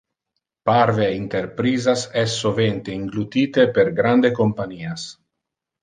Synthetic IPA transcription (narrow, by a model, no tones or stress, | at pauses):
paɾveint̪erpɾiːzasɛsːovent̪eiŋɡlut̪iːt̪eperɡɾand̪ekompaniːas